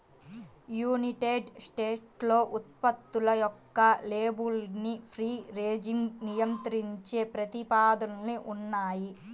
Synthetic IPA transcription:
juːniʈeːɖsʈeːʈlo̞ːʔut̪̚pɐt̪ːulɐjɔkːɐleːbulnipʰɾiːɾeːd͡ʒiŋɡnijɐmt̪ɐɾiɲt͡ʃe̞ːpɾɐt̪ipaːd̪ɐnniʔunːaːji

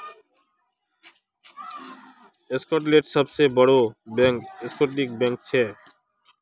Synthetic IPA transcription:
eskoʈ̬leʈʃɔb̚t͡ɕebɔɽobɛŋkeskoʈlik̚bɛŋk̚t͡ɕʰe

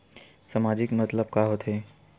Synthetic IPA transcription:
səmad͡ʒɪkmət̪ləb̚kaɦot̪ʰe

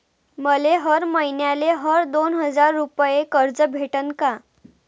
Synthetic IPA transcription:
məleɦəɾməinjaleɦəɾd̪onɦəd͡zaɾːupjekəɾd͡zəbʱeʈənka

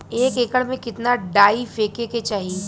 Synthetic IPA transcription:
eːkeːkəɽmẽkɪt̪naɖaːifeːkeːket͡ʃaːɦie

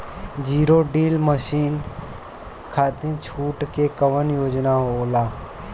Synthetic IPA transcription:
d͡ʒiːɾoɖiːlməʃiːn | kʰaːt̪ĩt͡ʃʰuːʈkekəʋənjoːd͡ʒnaɦooːlaː

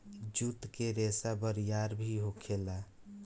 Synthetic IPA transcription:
d͡ʒut̪keɾesabəɾjaɾbʱiɦokʰela

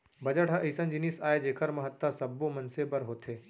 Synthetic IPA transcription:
bɐd͡ʒəʈɦɐʔisɐ̃nd͡ʒinisaːed͡ʒeːkʰəɾmɐɦət̪ːasɐbːomɐnsebɐɾɦoːt̪ʰeː

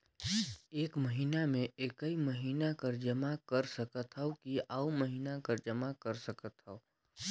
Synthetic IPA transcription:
eːkməɦiːnamẽeːkəiməɦiːnakɐɾd͡ʒɐmakɐɾsəkət̪ɦɛokiauməɦiːnakɐɾd͡ʒəmakəɾsəkət̪ɦɛo

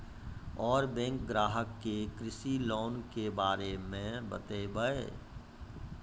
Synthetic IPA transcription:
ɔːɾbɛ̃ːŋkɡɾaːɦəkːekɾɪsiloːnkebaːɾemẽbə̰t̪ebəe

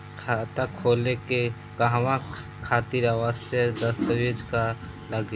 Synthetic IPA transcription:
kʰat̪akʰoːleke | kaɦwã | kʰaːt̪iɾawəsjəd̪əst̪əʋid͡ʒka | ləɡ

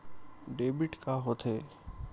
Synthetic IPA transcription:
ɖeːbɪʈkaːɦot̪ʰeː

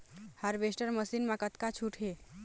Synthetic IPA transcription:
həɾʋesʈəɾməsinmakət̪kat͡ʃʰuʈʰɦe

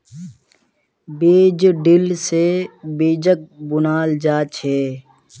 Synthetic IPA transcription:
beːd͡ʒɖɪlsebeːd͡ʒək̚bʊnaːld͡ʒaːt͡ʃʰeː

